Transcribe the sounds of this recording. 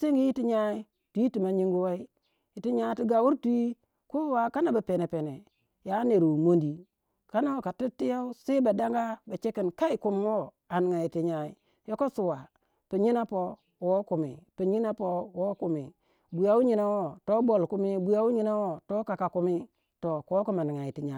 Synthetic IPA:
si˦ŋɡi˦ji˦ti˦ɲa˦i˦ | tu˨˦i˦ti˨ma˨ɲi˦ŋɡu˦wa˦i˦ | i˨ti˦ɲa˦ti˦ɡa˨wu˦ɾtu˦i˦ | ku˦wa˨ka˦na˨ba˨pe˨ne˨pe˨ne˨ | ja˨˦ne˨ɾu˨mo˦ndi˨ | ka˦na˦wo˨ka˨ti˦tːi˦ja˦u˦se˦ba˨da˦ŋɡa˦ba˨t͡ʃe˦ki˨nka˦i˨ku˨m˨˦wo˦ | a˨ni˨ŋa˨i˨ti˦ɲa˨ḭ˨ | jo˦ko˦su˨wa˨ | pi˨ɲi˦na˦po˦ | wo˦ku˨mḭ˨pi˨ɲi˦na˦po˦wo˦ku˨mḭ˨ | bu˨ja˨u˦ɲi˨na˦wo˦to˦bo˨lku˦mi˦bu˨ja˦u˦ɲi˦na˦wo˦to˦ka˨ka˨ku˦mi˦ | to˨ko˦ku˦ma˨ni˨ŋa˨i˨ti˨ɲa˨

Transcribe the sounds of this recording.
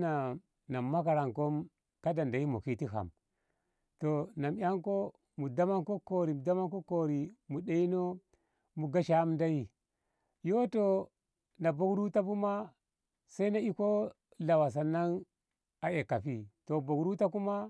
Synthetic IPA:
na˨ | na˨mːa˦k̬a˨ɾa˨ŋko˦m | ka˦da˨nda˨ji˦mo̰˨ki˦ti˦ɦa̰˨m | to˨na˨mja˦ŋko˦ | mu˨da˦ma˦ŋko˦ko˨ɾi˨da˦ma˦ko˦ko˦˨ɾi˨mu˨da˦i˦no˦ | mu˨ɡa˦ʃa˦m˦da˦ji˦˨ | jo˦to˨ | na˨bo˦kɾu˦ta˦bu˦ma˦ | sa˦i˦na˦i˦ko˦ | la˨wa˨s̬a˨na˦n | a˨e˨ka˨fi˦to˨bo˨ɡɾu˦ta˦ku˦ma˦

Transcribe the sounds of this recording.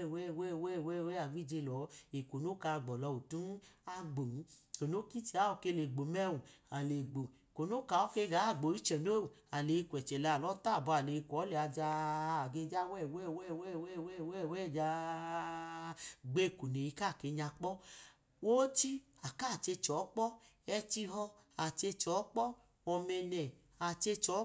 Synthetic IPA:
wɛ˦˨wɛ˦˨wɛ˦˨wɛ˦˨wɛ˦a˨vi˦d͡ʒe˧lɔ˨˦e˨ko˨no˦ka˧˨ɡ͡bɔ˨lɔ˧u˨tu˦n˦a˧ɡ͡bo˨˦o˨no˦ki˦t͡ʃi˧a˨˦ɔ˧˨ke˧le˨ɡ͡bo˨mɛ˦˨wu˨a˨le˨ɡ͡bo˨ko˨no˦ka˨ɔ˦ke˧˦˧ɡa˨˦˨ɡ͡bo˨i˦t͡ʃɛ˨no˦˨a˨le˨˧kʷɛ˨t͡ʃɛ˨lɛ˨˧a˨lɔ˨˦ta˦˨bu˧a˨le˨˧˨kʷɔ˨˦lɛ˨a˧d͡ʒa˧˨ɡe˧d͡ʒa˦wɛ˦˨wɛ˦˨wɛ˦˨wɛ˦˨wɛ˦˨wɛ˦˨wɛ˦˨wɛ˦˨d͡ʒa˧ | ɡ͡be˦˨ku˨ne˨i˧ka˦˨ke˧˦ɲa˧k͡pɔ˦ | wo˦t͡ʃi˦a˨ka˦˨t͡ʃe˧t͡ʃɔ˨˦k͡pɔ˦ | ɛ˧t͡ʃi˧ɦɔ˦ | a˨t͡ʃe˧t͡ʃɔ˨˦k͡pɔ˦ | ɔ˧mɛ˧nɛ˨ | a˨t͡ʃe˧t͡ʃɔ˨˦

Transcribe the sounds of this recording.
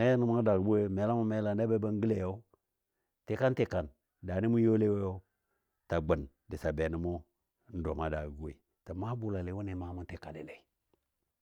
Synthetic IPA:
e˦ja˦ni˦mu˦da˨ɡbu˦we˦˨me˨la˦mu˦me˦la˨n˦da˦be˦ba˦ŋ˦ɡi˦le˨jo˦ | te˨ka˦nte˨ka˨n | da˨ni˦mu˦jo˦le˦we˦jo˦ | ta˨ɡ͡bə˨n | di˨sa˨be˨ni˨mo˦ | n̩˦do˨ma˦da˨ɡɡo˦i˨ | ta˨ma˦bu˨la˨le˨˦wu˦ne˨ma˦mu˦n˦te˨ka˨le˨le˨i˨

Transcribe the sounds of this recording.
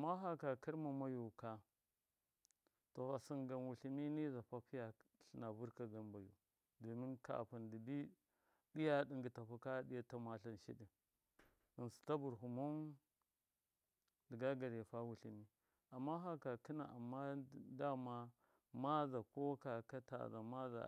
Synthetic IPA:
a˨ma˦ɦa˦ka˨ki˦ɾma˨ma˦ju˨ka˨ | to˨a˨si˦ŋɡa˨nwu˨ɬi˦mi˦ni˦za˨ɸa˦pi˦ja˨ɬi˨na˨vu˦ɾka˨ɡa˦nba˨jṵ˨ | do˨mi˦nka̰˨ʔpu˨ndi˨bi˦ | di˦ja˦ɗi˨ŋɡi˨ta˨pu˦ka˦ɗi˦ja˦ta˦ma˨ɬa˦nʃḭ˦ɗi˨ | i˨nsi̥˨ta˦bu˨ɾɦu˨ma˦n | di˨ɡa˦ɡa˨ɾja˨fa˦wu˨ɬi˨mi˦ | a˨mːa˦ɦa˦ka˨ki˦na˨ʔa˨mːa˦˨da˦ma˦ | ma˦za˨ko˦ka˨ka˦ta̰˨za̰˨ma˦za̰˨

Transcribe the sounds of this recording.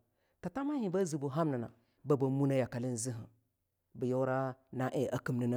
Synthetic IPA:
ta˨ta˦ma˦hi˨ba˦zi˨bu˨ɦa˦mna˨na˨ | ba˦ba˨mu˦na˦ja˨ka˨li˦n˦zi˦ɦə˨ | bi˨jo˦ɾa˦na˦ʔe˨ʔa˦ki˦mni˦na˦

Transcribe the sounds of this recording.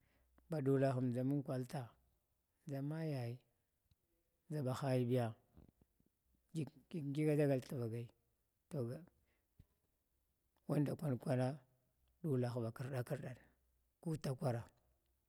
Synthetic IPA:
ba˨du˨la˨xu˨md͡ʒa˨mu˦n˦kʷa˨lta˨ | d͡za˦ma˦ja˨i˨ | d͡ʒa˨ba˨xa˦ji˦bi˦ja˨ | i˦ɡi˦ɡa˦da˦ɡa˦˨lta˨va˨ɡa˨i˨ | to˨ɡ | wa˦nda˨kʷa˦nkʷa˦na˦ | ɗu˦la˨xba˨ki˦˨ɾɗa˦ki˦ɾɗa˨n˨ | ku˦ta˦kʷa˦ɾa˨

